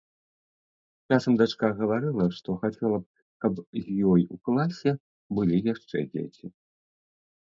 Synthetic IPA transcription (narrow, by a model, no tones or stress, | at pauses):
t͡ʂasɐmd̪at͡ʂkaɣɐvaɾɨlˠɐʂt̪ɔxat͡sʲɛlˠɐp̚ | kɐpzʲjɔjuklˠasʲɛ | bɨlʲijaʂt͡ʂɛ̰d͡zʲḛt͡sʲi